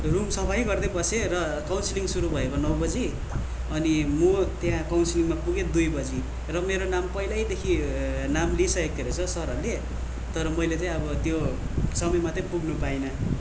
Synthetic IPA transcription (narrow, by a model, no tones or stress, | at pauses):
rumsʌpʰaj̃ɡʌrd̪ʌbʌserʌ | kawnsiliŋsuɾubʱʌekonʌwbʌd͡zi | ʌnimut̪jãkawnsiliŋmapuɡed̪ujbʌd͡zi | rʌmeɾonampʌilajd̪ekʰinamlisʌek̚t̪ʰeɾet͡sʰʌsʌɾʌle | t̪ʌɾʌmʌjlet͡sʌĩʌbʌt̪jo | sʌmʌjmat̪ʌpuɡnupainʌ